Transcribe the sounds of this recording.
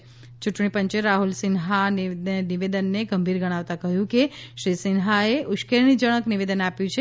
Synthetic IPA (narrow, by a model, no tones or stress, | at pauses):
t͡ʃuʈɳipə̃ɲt͡ʃeɾaɦulsɪnɦanniʋed̪ənːeɡəmbʱiɾɡəɽ̃aʋt̪akəɦjũkeʃɾisɪnɦaeʔʊʃkelnid͡ʒəɽ̃əkniʋed̪ənapjũt͡ʃʰe